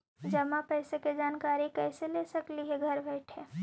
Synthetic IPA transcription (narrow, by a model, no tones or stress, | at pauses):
d͡ʒɐmapɛɪseked͡ʒaːnkaːɾikɛːselesɐkliɦeɡʱɐɾbɛɪʈʰeː